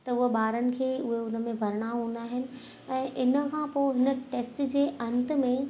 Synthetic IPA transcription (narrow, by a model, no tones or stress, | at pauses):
t̪ɐʊɦeɓaːɾənɪ̆kʰeːʊɦeʊnə̆mẽbʱɐɾɪɽ̃aɦũːnd̪aːɦɪnɪ̆ | ɛ̃ːʔɪnə̆kʰãpoːɦɪnəʈeːsʈd͡ʑeːʔɐ̃nt̪ə̆mẽ